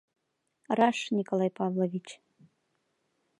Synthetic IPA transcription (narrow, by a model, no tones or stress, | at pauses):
rɑʂnʲikolˠajpɑvlˠovʲit͡ɕ